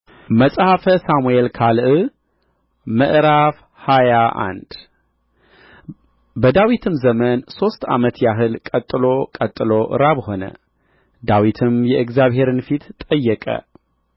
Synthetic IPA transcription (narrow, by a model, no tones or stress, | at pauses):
məsʼhafəsamuelkʰalʔɨ | məʔɾaf | hajaʔa̰nd̪̥ | bəd̪awit̪ʰɨmzəmənso̞st̪a̰mət̪jaɦɨlkʼət̪ʼːɨlo̞kʼət̪ʼːɨlo̞ʔɨ̰ɾaβho̞nə̰ | d̪awit̪ʰɨmjɛʔɨkzaβhe̞ɾɨnfit̪t̪ʼːəjːɛkʼə̰